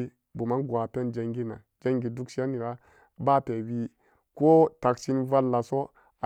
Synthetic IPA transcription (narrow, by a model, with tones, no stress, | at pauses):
i˦ | bu˨ma˦ɡwa˨pe˦nd͡ʒe˨ŋɡi˦na̰˨ | d͡ʒe˦ŋɡi˨du˦kʃi˦a˦ni˨ɾa˦ | ba˦pe˨wi˦ | ko˦ta˨ksi˦nva˦lːa˨so˦ | a˨